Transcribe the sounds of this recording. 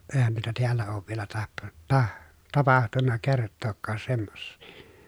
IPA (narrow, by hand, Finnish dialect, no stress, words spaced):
eˑi̯hæn nuitɑ tiælːæ oːʋ ʋielæ tɑhton tɑh tɑpɑhtunːɑ kertːoːkːɑːs semːosːi̥